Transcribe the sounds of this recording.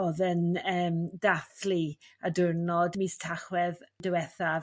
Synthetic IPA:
ɔðənəːmdaθliadʊrnɔdmistʰaχwɛðdəwɛθav

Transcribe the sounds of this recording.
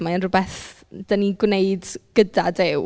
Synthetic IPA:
maənrʊbɛθ | d̥aniɡwneɨdɡ̥ədadɪw

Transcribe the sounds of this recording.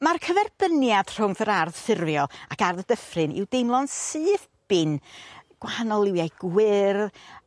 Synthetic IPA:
markʰəvɛrbənjad̥r̥ʊŋθəɾarðfɪrvjɔlˠakarðədəfrɨnʔɪ̰wdejmlˠɔnsɨːθ | b̥ɪnɡ̥waanɔlˠɪwjajɡ̥wɪrð

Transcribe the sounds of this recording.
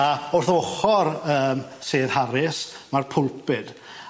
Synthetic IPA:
aʊrθɔɔχɔrəːmseːðhaɾɪsmarpʰʊlˠpɪd̥

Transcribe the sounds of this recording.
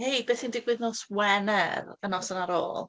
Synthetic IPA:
hejbeːθindɪɡwɨðnɔswɛnɛɾənɔsənaɾo̰ːlˠ

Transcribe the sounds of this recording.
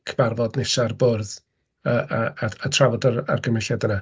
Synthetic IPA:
kʰəb̥arvɔdnɪʃarboːrð | əaaatʰravɔdaa̰rɡəmɛɬadəna

